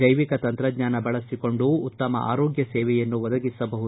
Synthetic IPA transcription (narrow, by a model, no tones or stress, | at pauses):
d͡ʒɐjʋikɐt̪ɐnt̪ɾɐɡɲaːnɐbɐɭɐsiko̞ɳɖuːt̪ːɐmɐ̰ʔa̰ːɾoːɡjɐsɛːʋɛjɐnːuʋɔd̪ɐɡisɐbɐɦu